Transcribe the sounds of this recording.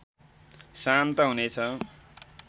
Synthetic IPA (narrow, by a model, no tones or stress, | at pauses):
sant̪ʌɦunet͡sʰʌ